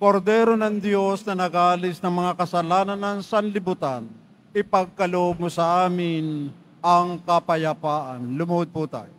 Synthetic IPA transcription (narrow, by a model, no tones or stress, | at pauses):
koɾd̪ɛːɾonɐŋd̪jo̞snɐnɐɡalɪsnɐŋmɐŋakɐsɐlaːnɐnːɐŋsanlɪbʊt̪an | ʔɪpɐɡ̚kɐloʔob̚mosɐʔaːmɪn | ɐŋkɐpɐjɐpaːʔɐnlʊmɐod̪̚pʊt̪a̰ːjo